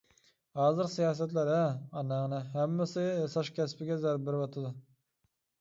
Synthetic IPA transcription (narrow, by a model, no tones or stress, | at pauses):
hɑːzɨɾsijɑːs̬æt̪læɾæɑnænɪɦæmːɪsɪsɑʃkʲʰæspɪɡʲɛzæɾbɪɾwɑt̪ʰɨd̪ɨ